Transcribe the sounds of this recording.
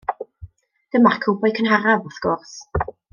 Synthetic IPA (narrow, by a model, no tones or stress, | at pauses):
d̥əmarkʰubɔjkʰənhaɾavʊθɡ̥ʊrs